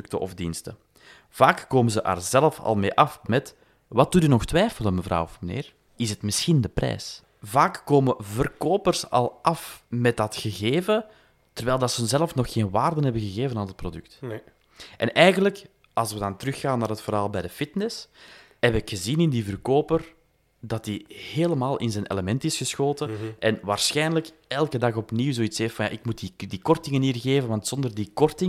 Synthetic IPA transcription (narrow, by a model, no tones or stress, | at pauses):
k̚təʔɔ̰vdinstə | v̥aːkkoːməzəʔə̰ːrzɛlfɑ̰lˠmeːʔɑfmɛt | ʋɑt̚dutynɔxtwɛːfələnməvrɑ̰wɔfmənḛːr | ɪsətmɪsxindəprʔɛ̰ːs | vaːkːoːməvərkoːpərsɑ̰lˠʔɑfmɛt̚dɑtxəɣeːvə | tərʋɛːlˠdɑtsəənzɛlˠfnɔxxeːnʋaːrdənɦɛbəɣəɣeːvənaːnət̚prodʏk̚t | ʔɛ̰nʔɛjɣənlək | ʔɑlˠsʋədɑntəɾʏxːaːnːaːɾɦətfərɦaːlˠbɛjdəfɪtnɛsɦɛpɪkxəzinɪndivərkoːpər | dɑtiheːləmaːlˠʔɪ̰nzənʔḛləmɛntɪsxəsxoːtəʔɛnʋaːrsxɛjnələkɛlˠkədɑxɔpniwzoːitseːftfɑnja̰ːʔɪkmutidikɔrtɪŋəniːrɣeːvənʋɑntsɔndərdikɔrtɪ